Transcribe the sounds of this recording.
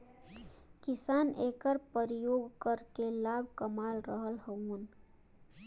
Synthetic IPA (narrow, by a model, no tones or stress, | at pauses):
kisanekəɾpəɾijoɡkəɾkelabʱkəmalɾəɦəlɦən